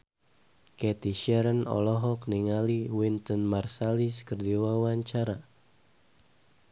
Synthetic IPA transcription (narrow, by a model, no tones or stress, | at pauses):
kɛt̪iʃɛɾənɔ̰lɔɦɔkniŋaliwint̪ənmarsaliskərdiwawaɲt͡ʃaɾa